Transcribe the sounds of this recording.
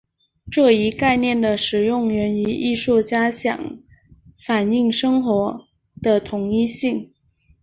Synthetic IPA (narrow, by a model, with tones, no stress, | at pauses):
ʈ͡ʂɤ˥˩i˧˥ka˥˧ɪnjɛ˥˩nd̪ə˩ʂɻ̩˨˩jʊ˥˩ŋɥɛ˧˥ny˧˥ʔi˥˧ʂu˥˩t͡ɕja˥ɕjɑ̰˨˩ŋ | fa˨˩ni˥˩ŋʂɤ˥ŋxwɔ˧˥ | d̪̥ə˧t̪ʰʊ˧˥ŋi˥ɕi˥˩ŋ